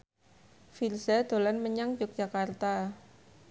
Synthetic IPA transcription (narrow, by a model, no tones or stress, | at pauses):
filzad̪̥o̤lanməɲaŋd͡ʒʊk̚d̥d͡ʒ̥akart̪a